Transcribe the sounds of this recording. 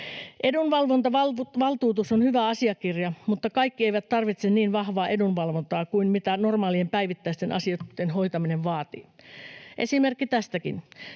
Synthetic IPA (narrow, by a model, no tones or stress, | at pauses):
ʔedunʋɑlʋont̪ɑʋɑʋɑlt̪uːt̪usonhyʋæɑsiɑkirjɑmut̪ːɑkɑikːieiʋæt̪t̪ɑrʋit̪senniːnʋɑhʋɑːʔedunʋɑlʋont̪ɑːkuinmit̪ænormɑːliempæiʋit̪ːæist̪enʔɑ̰sioenɦoit̪ɑmineʋʋɑːt̪ḭːʔesimerkːit̪æst̪ækḭn